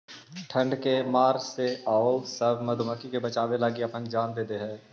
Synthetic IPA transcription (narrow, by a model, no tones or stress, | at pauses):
ʈʰə̃ɳɖkemaːɾseaːosəbʱmɐd̪ʱʊməkikebɐt͡ʃaːʋelaːɡiɐpə̃ŋkd͡ʒaːnd̪eːd̪eɦɛ̃ː